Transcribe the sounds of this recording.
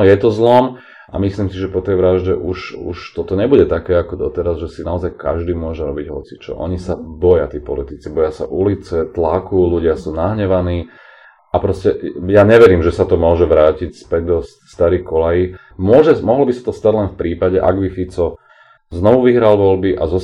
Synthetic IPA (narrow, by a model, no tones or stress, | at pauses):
ɔjɛt̪ɔzlɔm | ʔa̰misliːmsiʒɛpɔt̪ɛjʋɾaʒɟɛʔuʃṵʃt̪ɔt̪ɔɲɛbuɟɛt̪akɛːakɔd̪ɔt̪ɛɾazʒɛsinaɔzajka̰ʒd̪iːmʊɔʒɛɾɔbiɟɦɔ̰t͡si̥t͡ʃɔ̰ʔɔ̰ɲisabɔjat̪iːpɔlit̪it͡sibɔjasa̰ʔulit͡sɛt̪lakuluɟɪasuːnaɦɲɛʋaniː | apɾɔscɛjaɲɛʋɛɾiːmʒɛsat̪ɔmʊɔʒɛʋɾaːcicspɛɟd̪ɔs | st̪aɾiːkɔlaji | mʊɔʒɛmɔɦlɔbisḁt̪ɔst̪aɟlɛnfpɾiːpaɟɛʔa̰ɡbifit͡sɔ | znɔʋuʋiɦɾalʋɔlbiʔazɔ